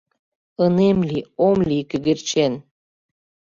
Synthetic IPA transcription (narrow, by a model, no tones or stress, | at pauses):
ənemlʲiomlʲikyɣert͡ɕen